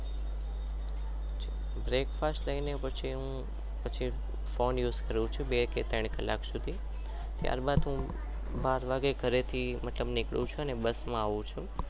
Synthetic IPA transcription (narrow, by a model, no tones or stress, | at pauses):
bɾekfasʈləinepət͡ʃʰiɦũ | pət͡ʃʰi | fonjuːzkəɾũt͡ʃʰũbeket̪əɳ̃kə̰lːaksud̪ʱi | t̪ja̰ɾbad̪ɦũ | baɾʋaɡeɡʱəɾet̪ʰimət̪ləbnɪkɭũt͡ʃʰuənebəsmãaʋũt͡ʃʰũ